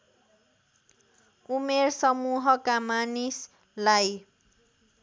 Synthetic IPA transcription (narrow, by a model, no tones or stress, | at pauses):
umersʌmuɦʌkamanis | laj